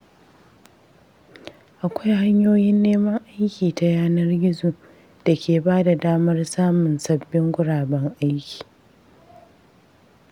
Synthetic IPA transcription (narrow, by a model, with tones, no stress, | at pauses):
ʔa˨kʷa˦jha˦ɲjoː˦jɪ˦nːeː˦mɐ˦ŋʔa˦jkʲiː˨ta˨jaː˦nɐ˦rɡʲɪ˦zu˨ | d̥a˨kʲʰeː˨baː˦da˨daː˦mɐ˦rsaː˦mʊ˨nsɐ˦bːɪ˦ŋɡʷʊ˦ɽaː˨bɛ˦ŋʔa˦jkʲi̥ː˨